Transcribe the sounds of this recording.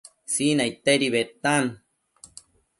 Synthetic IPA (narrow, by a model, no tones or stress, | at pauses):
sinait̪eɾiβet̪an